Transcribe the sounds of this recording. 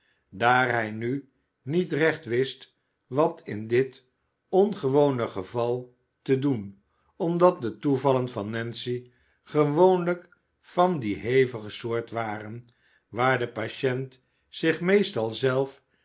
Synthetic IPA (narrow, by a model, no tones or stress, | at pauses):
daːɹɦɛjny | nitrɛχtʋɪst | ʋɑtʰɪndɪt | ɔnχəʋownəχəvɑlˠ | tədun | ɔmdɑt̚dətuvɑlənvɑnːɛnsi | χəʋownlək | fɑndiɦejvəχəsʊːɹtʋaːrən | ʋaːɹdəpaʃɛnt | sɪχmejstɑlˠzɛlˠf